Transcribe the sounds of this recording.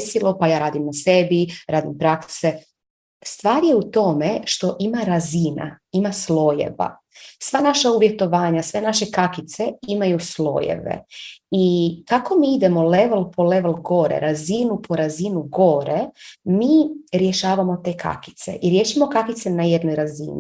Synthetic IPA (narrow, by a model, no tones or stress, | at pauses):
silˠopajaːɾaːd̪imnase̞biɾaːd̪impɾakse | st̪ʋaːɾje̞ut̪o̞me̞ʃt̪o̞ʔimaɾazina̰imaslo̞jḛʋa̰ | sʋanaʃauʋjet̪o̞ʋaːɲasʋe̞naʃekakit̪se̞imajuslo̞̰jḛʋḛikako̞miːid̪e̞mo̞leʋelˠpʰo̞le̞ʋelˠɡo̞ɾḛɾazinupʰo̞ɾazinuɡo̞ɾemiːɾje̞ʃaːʋamo̞t̪e̞ːkʰa̰ki̥t̪se̞̰ʔiɾje̞ʃimokakit̪se̞najed̪nojɾazḭnḭ